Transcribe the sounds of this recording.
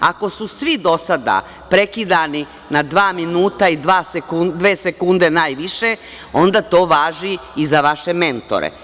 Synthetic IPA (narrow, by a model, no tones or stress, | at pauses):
a̰ko̞susʋid̪o̞sad̪a̰ | pɾekid̪ani | nad̪ʋaːminuːt̪aid̪ʋaːsekud̪ʋeːsekund̪enaːjʋiʃe | o̞nd̪at̪o̞ːʋaːʒiizaʋaʃe̞me̞nt̪o̞̰ɾḛ